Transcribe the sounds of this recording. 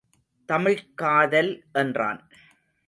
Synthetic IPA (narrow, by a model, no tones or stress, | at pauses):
t̪ɐmɪɻkaːðɐlʔɛndra̰ːn